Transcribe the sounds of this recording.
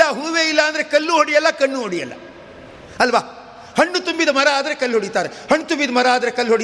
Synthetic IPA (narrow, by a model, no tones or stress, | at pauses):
ɐɦuːʋeːilːɐːnd̪ɐɾekɐlːuɦoɽijɐlːɐkɐɳːuɦoɽijɐlːɐ̰ | ɐlʋaː | hɐɳːut̪umbid̪ɐmɐɾaaːd̪ɐɾe̞kɐlːɦoɽit̪aːɾehɐɳːut̪umbid̪ɐmɐɾaaːd̪ɐɾekɐlːɦoɽi